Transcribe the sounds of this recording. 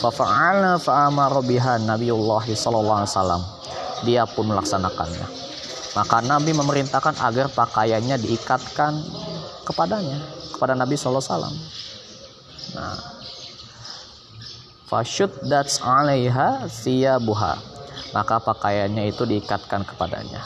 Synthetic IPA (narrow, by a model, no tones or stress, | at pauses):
fafaʕalnafaʔamɑɾɔbiɦanabijʊlːaɦisɔlɔlːɔlsala̰m | diapʊnməlaksanaka̰nɲa̰ | makanabiməməɾint̪ahkanʔa̰ɡarpakajaɲadiːkat̪̚kankəpadaɲakə̥padanabisɔlsala̰m | na̰ | fa̰ʃʊt̪̚datalejɦasiabuɦa̰mʔakapakajaɲait̪udiːkat̪̚kankə̥pada̰ɲa̰